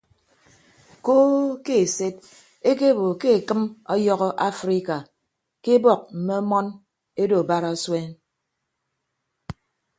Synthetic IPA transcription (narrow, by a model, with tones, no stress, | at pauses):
koː˦ke˦e˨se˦t̚ | e˦ke˦˨bo˨ke˦e˨kɨ˦mɔ˦jɔ˦ɣɔ˦ʔa˦fɾi˦ka˨ | ke˦bɔ˨k̚m̩˨me˦ɔ˦mɔ˦n | e˦do˨ba˦ɾa˦swe˦n